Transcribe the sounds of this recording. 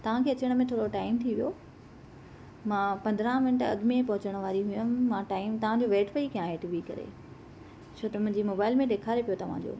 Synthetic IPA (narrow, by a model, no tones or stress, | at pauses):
t̪ɐʋ̤ãkʰeːɐt͡ɕəɽ̃̆mẽt̪ʰoːɾɽoʈaːɪmt̪ʰiʋijo | mãːpɐ̃nd̪ɾãmɪnʈɐ̰ɠmẽpɐɦʊt͡ɕəɽ̃̆ʋaːɾiɦʊjʊn̆mãːʈaːɪmt̪ɐʋ̤ãd͡ʑoʋeːʈʰpɐikɐjãeːʈiʋikɐ̰ɾḛ | t͡ɕʰoːt̪ɐmʊ̃ɪ̃ɲd͡ʑimoːbaːɪlmẽɗ̪eːkʰaːɾepijot̪ɐʋ̤ã̰d͡ʑo̰ː